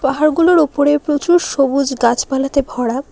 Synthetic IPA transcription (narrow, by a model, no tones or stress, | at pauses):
paɦaɾɡuloɾupoɾepɾot͡ɕuɾʃobud͡ʑɡat͡ɕbalat̪ebʱɔɽa